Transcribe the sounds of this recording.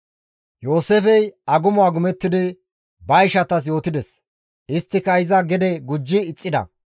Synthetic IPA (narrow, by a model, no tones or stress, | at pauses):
jo̞ːseːfɛjɐɡʊmʊaːɡʊmɛt̪ːɪd̪ɪ | bɐjʃɐt̪ɐs̬jo̞ːt̪ɪd̪ɛs | ɪst̪ːɪkɐɪzɐɡɛd̪ɛɡʊd͡ʒːɪːt͡sʼːɪd̪ɐ̰